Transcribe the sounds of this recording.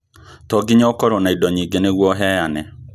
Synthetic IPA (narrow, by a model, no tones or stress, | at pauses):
tɔɡiɲɔkɔɾɔnaidɔɲiːɡeneɣwɔɦɛjanɛ